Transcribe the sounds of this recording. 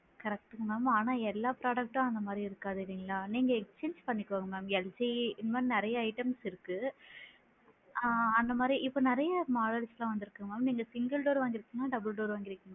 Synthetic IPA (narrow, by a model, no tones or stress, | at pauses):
kɐɾɐk̚ʈːɯŋɐmaːmaːnaːɛlːaːpɾaːɽɐk̚ʈːãːɐnd̪ɐmaːd̪ɾiɪɾɯkːaːðɯʋiŋɡɐlaːniːŋɡɐɛkst͡ʃeːnd͡ʒpɐɳːɪkːoːŋɡɐmaːmɛld͡ʒiɪnd̪maːinɪɾɐjɐɐɪʈɐmsɪɾɯkːɯ | ɐnd̪ɐmaːd̪ɾiʔɪpːoːnɪɾɐjɐmaːɽɐlslãːʋɐnd̪ɪɾɯkːɯŋɡɐmaːmniːŋɡɐsɪŋɡɐlɖoːɾʋaːŋɡɪɾɯkːiːŋɡɐnaɖɐbɯlɖoːɾʋaːŋɡɪɾɯkːɯŋɡ